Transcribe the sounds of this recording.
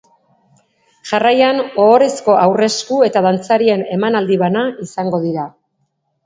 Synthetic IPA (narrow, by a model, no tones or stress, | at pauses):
ʝarajanoːɾe̞sko̞awre̞skue̞t̪að̞ant͡saɾie̞ne̞manald̪iβanaisaŋɡo̞ðiɾa